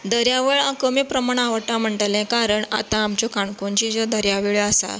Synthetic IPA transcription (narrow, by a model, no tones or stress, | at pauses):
d̪əɾjaʋeɭãkəmiːpɾəmaɳ̃aʋəʈãm̤əɳʈlɛ̃kaɾəɳa̰t̪ãːmt͡ɕɔkaɳkoɲt͡ɕid͡zɔd̪əɾjaʋeɭəsa̰